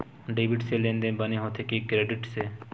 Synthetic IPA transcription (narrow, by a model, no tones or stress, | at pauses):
ɖeːbɪʈselẽːnd̪ẽbɐneɦoːt̪ʰekekɾeːɖɪʈse